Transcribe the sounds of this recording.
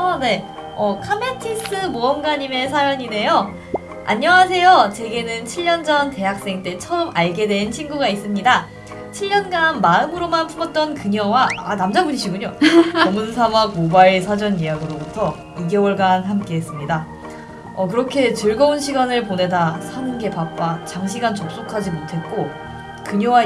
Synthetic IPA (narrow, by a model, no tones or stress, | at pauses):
ʌne̞ | ʌkʰametʰis͈ɯmoʌmɡaɲime̞sʰajʌɲine̞jo | a̰ɲːʌwasʰe̞jot͡ɕe̞ɡe̞nɯnt͡ɕʰiʎːʌnd͡ʑʌnte̞ɦak̚s͈e̞ŋt͈e̞t͡ɕʰʌmaɭɡe̞dwe̞nt͡ɕʰinɡuɡais͈ɯmɲida | t͡ɕʰiʎːʌnɡanmaɯmɯɾomanpʰumʌt̚t͈ʌnkɯɲʌwaanamd͡ʑaŋbuɾiɕʰiɡuɲoʌmunsʰamaɡobaɭisʰad͡ʑʌnijaɡɯɾobutʰʌ | iɡe̞wʌɭɡanɦamk͈e̞ɦes͈ɯmɲida | ʌkɯɾʌkʰe̞t͡ɕɯɭɡʌunɕʰiɡanɯɭpone̞dasʰanɯnɡe̞pap̚p͈at͡ɕaŋɕʰiɡant͡ɕok̚s͈okʰad͡ʑimotʰe̞t̚k͈o | kɯɲʌwa